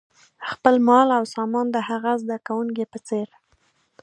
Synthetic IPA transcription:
xpəlmɑlawsɑmɑnd̪əhaɣazd̪akawuŋkepət͡seɾ

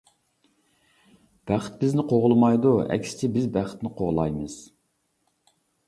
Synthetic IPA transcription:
b̥æχt̪̚bɪznɪqʰoʁlˠmɑjd̪uɛ̰kʲsɪ̥t͡ʃʰɪbɪzbæχə̥t̪nɪqʰoʁlˠɑ̰jmɨz̥

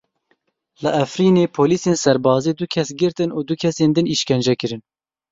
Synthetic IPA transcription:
lɨʔæfɾiːneːpʰoːliːseːnsɛɾbɑːziːd̪ukʰɛsɡɨɾt̪ɨnuːd̪ukʰɛseːnd̪ɨniʃkɛnd͡ʒɛkɨɾɨn

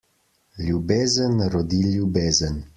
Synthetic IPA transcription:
lʲjubeːzənɾɔd̪iljubeːzən

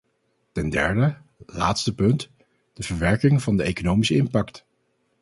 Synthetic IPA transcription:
tɛndɛ̰ɹdəla̰ːtstəpɵnt | d̥əvəɹʋɛɹkɪŋvɑndəejkonowmisəɪmpɑkt

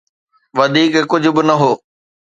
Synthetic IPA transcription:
ʋɐd̪ʱiːkkʊd͡ʑʱʊ̆bɪnɐɦoː

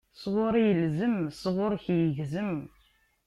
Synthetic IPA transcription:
sʁʊɾijəlzəmsʁʊɾçjəʝzəm

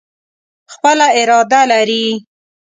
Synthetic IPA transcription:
xpəlaɪɾɑd̪alaɾi

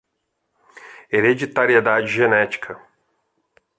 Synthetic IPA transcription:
eɾed͡ʒit̪aɾied̪ad͡ʒɪʒenɛt͡ʃi̥kʰɐ

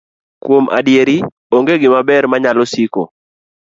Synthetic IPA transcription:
kwomʔa̰djeɾi | oŋɡeɡɪmabɛɾmaɲalɔsiko̰

